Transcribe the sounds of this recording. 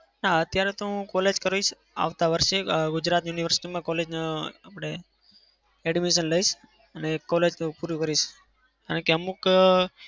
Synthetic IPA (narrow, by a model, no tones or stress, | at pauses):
naət̪jaɾet̪oɦũkɔled͡ʒkəɾʋiʃ | a̰ʋt̪aʋəɾʃeɡud͡ʒɾat̪juniʋəɾsi̥ʈimãkɔled͡ʒneapəɽ̃e | ɛɽimeʃ̬ənləiʃ | ənekɔled͡ʒnupuɾjukəɾiʃ | ka̰ɾə̃keəmuk